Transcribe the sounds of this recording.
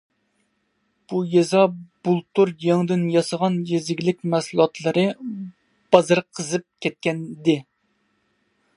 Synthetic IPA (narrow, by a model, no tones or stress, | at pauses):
b̥ujezɑbulˠt̪uɾjɑŋd̪ɪnjɑsəʁɑnjezɪɡʲilɪkʲmæsulˠɑt̪ʰlˠɨɾɨ | b̥ɑzɨɾqʰəzɨp̚kʲɛt̪̚kʲɛnd̪ɪ